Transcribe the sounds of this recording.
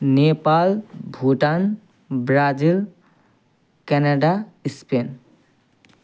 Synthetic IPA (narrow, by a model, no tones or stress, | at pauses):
nepalbʱuʈan | bɾad͡ʒil | kɛnaɖaispen